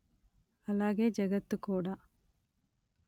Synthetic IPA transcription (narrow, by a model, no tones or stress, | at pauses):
ɐlaːɡeːd͡ʒɐɡɐt̪ːukoːɽaː